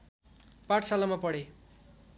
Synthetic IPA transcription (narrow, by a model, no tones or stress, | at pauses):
paʈʰsalamapʌɽe